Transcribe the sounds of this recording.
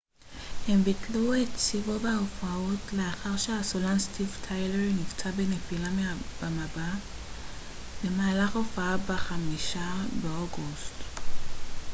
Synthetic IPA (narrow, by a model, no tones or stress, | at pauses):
hembitluett͡sivobeofaotleaχaʁʃehasolanstʰivtʰajleʁnivt͡sabenepilameab̥amaba | bemaːlaχofaabeχamiʃabeoɡust